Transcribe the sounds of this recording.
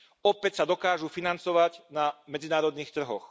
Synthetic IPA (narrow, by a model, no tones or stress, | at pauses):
ɔpɛcsad̪ɔkaːʒufinant͡sɔʋaɟnamɛd͡zinaːɾɔd̪niːxt̪r̩ɦɔx